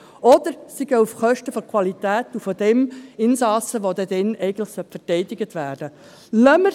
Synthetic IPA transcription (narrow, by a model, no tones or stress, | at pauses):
ɔd̥̪əɾsiɡəufχœʃtəfɔɾkʰwɑlit̪æːtufɔd̥̪ɛmɪnsɑːsəʋod̪ɛd̪ɛnɛɪɡən̩tləχsœpfətɛɪd̥ɪɡətʋæːrd̥ə | lœmə